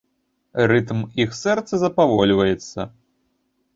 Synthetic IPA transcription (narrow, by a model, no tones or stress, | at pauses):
rɨt̪mixsɛrt̪sɐzɐpavɔlʲvɐjɛt̪sːɐ̰